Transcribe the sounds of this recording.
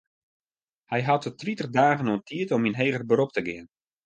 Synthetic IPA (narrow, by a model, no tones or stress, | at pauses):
hɛjɦatətritərdaːɣənuəntʰiətɔminɦeːɣərbəɾop̚təɡɪən